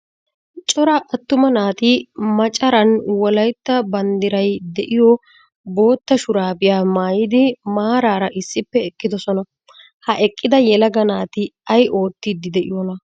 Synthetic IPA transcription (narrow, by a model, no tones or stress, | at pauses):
t͡ʃʼɔɾɐʔɐt̪ːʊmɐnaːt̪ɪmɐt͡ʃʼɐɾɐnwɔlɐjt̪ːɐbɐnd̪ɪɾɐjd̪ɛʔɪjɔ | bo̞ːt̪ːɐʃʊɾaːbɪjaːmaːjɪd̪ɪmaːɾaːɾɐʔɪsːɪpːɛɛkʼːɪd̪ɔsɔnɐ | hɐʔɛkʼːɪd̪ɐjɛlɐɡɐnaːt̪ɪɐjʔo̞ːt̪ːid̪ɪd̪ɛʔɪ̰jɔnɐ